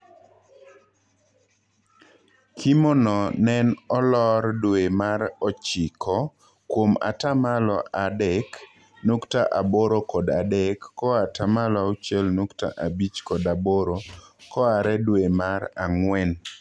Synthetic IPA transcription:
kʰimɔnɔnɛnɔlɔɾdwemaɾɔt͡ʃikʰɔ | kwoma̰tamalɔʔadɛk | nuktaʔaboɾokɔdadɛkːɔatamalɔaut͡ʃɛlnukta̰ʔabit͡ʃkɔdaboɾokɔaɾɛdwemaɾaŋwɛn

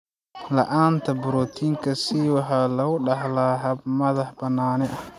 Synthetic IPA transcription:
lɐ̰ʔaːnt̪ʰɐbʊɾɔːt̪ʰiːŋkʰɐsiwɑħɑːlɐɣʊɖɑħlaːɦɐbmɐðɑħbɐnːaːnɛʔɐ

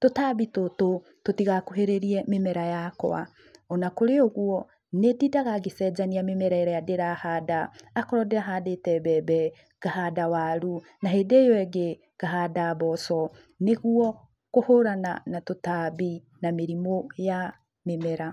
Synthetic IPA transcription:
totaβitoto | totiɣakoɦeɾeɾiɛmemɛɾajakɔ̰a̰ | ɔnakoɾeoɣuɔ | nedidaɣaɡesɛd͡ʑaniamemɛɾaɛɾɛjadeɾahadaːkɔɾɔdeaɦadetɛbɛbɛ | ɡ̥aɦadawaɾu | naɦedejɔɛɡe | ɡ̥aɦadaβɔsɔ | neɣuɔ | kohoɾana̰natotaβi | nameɾimoja | memɛɾa

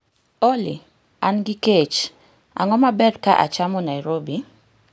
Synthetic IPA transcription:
oli | anɡiket͡ʃ | a̰ŋɔmabɛdkaʔa̰t͡ʃamɔnajɾobi

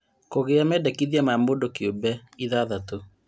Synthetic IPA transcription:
koɣeamɛdɛkiðjamamodokjobɛiðaðato

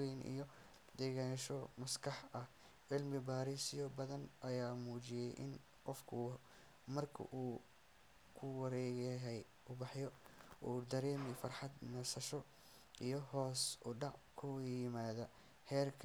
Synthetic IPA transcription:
ɛnʔḭjɔ | d̪ɛːɣaːnʃɔmɐskʰɐħɐh | ʕɪlmɪbaːɾisɪjɔbɐðɐnʔɐjaːmuːt͡ʃɪjɛjʔɪ̰n | qɔfkʰʊ | mɐrkʰɐ̰ʔuː | kʰʊwɐɾɛːɣɛɦɛj | ʊbɑħjɔuːd̪ɐɾɛːmɪfɐrħɑd̪nɐsɐʃɔ | ʔijɞɦɔːsʊɖɑʕkʰʊwijɪmaːðɐ | hɛːrkʰ

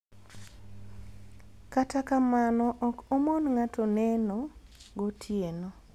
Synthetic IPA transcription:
katakamanɔʔɔkomɔnŋatʰɔnɛnɔɡotʰjeno

